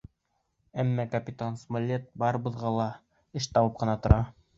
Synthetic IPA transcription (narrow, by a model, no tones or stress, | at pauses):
æmːækɐpʲit̪ansmolʲet̪̚bɑɾbɤ̆ðʁɑlˠɑ | ɘʃt̪ɑwɤp̚qɤ̆nɑt̪ŏɾɑ